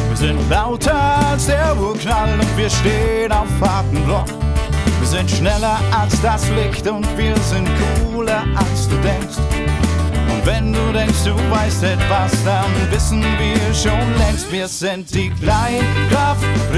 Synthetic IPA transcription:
viːɐzɪntlaʊtʰəalsd̥eːɐuknalʊntv̥iːɐʃteːənaʊffaɐtn̩blɔkviːɐzɪntʃnɛlɐʔalsd̥aslɪçtʊntv̥iːɐzɪnt̚kʰuːlɐʔalsd̥uːdɛŋkst | ʔʊntv̥ɛnduːdɛŋkstd̥uːvaɪstɛtv̥asd̥anvɪsn̩viːɐʃoːnlɛŋstviːɐz̥ɪntd̥iːkʰlaɪkʁaf

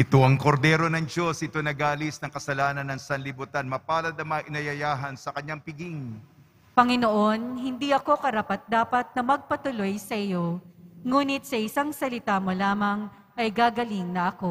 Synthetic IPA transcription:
ʔɪt̪o̞ʔɐŋkoɾd̪ɛːɾo̞nɐŋd͡ʒo̞sɪt̪o̞nɐɡaːlisnɐŋkɐsɐlaːnɐnːɐŋsɐnlɪbut̪anmɐpaːlɐd̪ɐmɐaʔɪnɐjɐjaːɦɐnsɐkɐɲːaŋpɪɡiŋ | pɐŋɪnoʔo̞nɦɪnd̪iʔɐko̞kɐɾapɐt̪̚d̪aːpɐt̪̚nɐmɐɡ̚pɐt̪ʊlo̞jsɐʔɪjo̞ŋuːnɪt̪̚sɐʔɪsaŋsɐlɪt̪aːmolaːmɐŋ | ʔɐjɡaːɡɐliŋnɐʔɐko̞

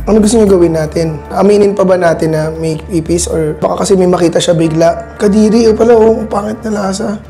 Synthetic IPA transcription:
ʔɐnoɡʊst̪oɲoɡɐwɪnːaːt̪ɪnʔɐmiːnɪnpɐbɐnaːt̪ɪnːɐmɐjpiːpisʔoɹbɐkakɐsɛmɐjmɐkiːt̪ɐʃabɪɡlaʔkɐd̪iːɾiʔopɐlaʔopaːkɪt̪̚nɐlaːsɐ

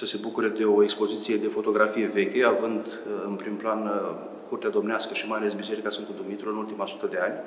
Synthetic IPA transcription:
səse̞bukuɾe̞d̪e̞o̞e̞kspo̞zit̪sije̞d̪e̞fo̞t̪o̞ɡɾafije̞ve̞kʲe̞avɨnd̪ | ɨnpɾimplan | kurt̪ead̪o̞mneaskəʃimajale̞sbise̞ɾikasɨnt̪kud̪umit̪uɾɨnult̪imasu̥t̪əd̪e̞anʲ

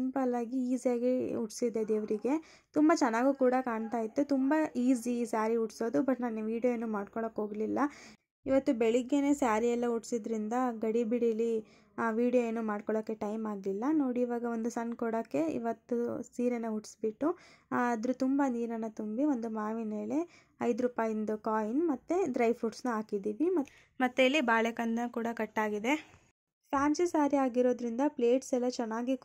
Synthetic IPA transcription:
mpɐlaːɡiiːzijaːɡiuʈsid̪ːed̪eːʋɾiɡe̞ | t̪umbɐt͡ʃɐnːaːɡuːkuːɽɐkaːɳt̪aːjit̪ːut̪umbɐiːzisaːɾiuʈso̞ːd̪ubɐʈnaːnuʋiːɽijoenːuːmaːɖkɔɭɐkːo̞ːɡlilːɐ | iʋɐt̪ːubeɭiɡːene̞ːsaːɾiɛlːɐuʈsid̪ɾind̪ɐɡɐɽibiɽili | ʋiːɽijojeːnːuːmaːɖkɔɭɐkːe̞ʈɐjmaːɡlilːɐno̞ːɽiːʋaːɡɐʋo̞nd̪usɐnkɔɽɐkːe̞ḭʋɐt̪ːusiːɾenːɐuʈsbiʈːuɐd̪ɾut̪umbɐniːɾɐnːɐt̪umbio̞nd̪umaːʋineːle̞ | ɐjd̪ɾuːpaːjind̪ukaːjinmɐt̪ːeɖɾɐjʋpuʈsnuaːkid̪iːʋimɐ | mɐt̪ːeilːibaːɭekɐnd̪ɐnkuːɽɐkɐʈːaːɡid̪e̞ | pɾaːnt͡ʃisaːɾiaːɡiɾo̞ːd̪ɾind̪ɐple̞ːʈsɛlːɐt͡ʃɛnːaːɡi

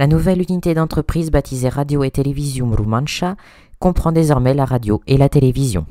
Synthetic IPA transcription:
lanuvɛlynit̪ed̪ɑ̃t̪χəpχizbat̪ʰizɛʁad̪joet̪elevizjɔ̃ɾumɑ̃nʃa | kɔ̃pχɑ̃d̪ezɔʁmɛlaʁad̪joelat̪elevizjɔ̰̃

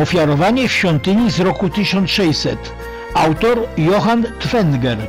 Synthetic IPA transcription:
ɔfʲjaɾɔvaɲɛfɕfʲɔnt̪ɘɲizɾɔkut̪ɘɕɔnt̪ʂɛjsɛt̪ | awt̪ɔɾjɔxant̪fɛnɡɛɾ

